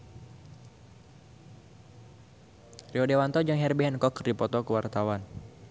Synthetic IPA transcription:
riɔdewant̪ɔd͡ʒɨŋɦɛrbɛɦɛnkɔkrdipɔt̪ɔkuwart̪awan

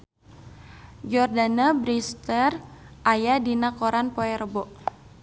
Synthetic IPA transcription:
d͡ʒɔrdanabɾist̪ərʔajadinakoɾanpɔɛrbɔʔ

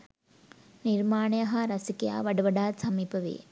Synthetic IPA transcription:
niɾmaːɳɐjɐɦɐɾɐsikɐja̰ːʋɐɽuʋɐɽaːd̪sɐmipɐʋḛː

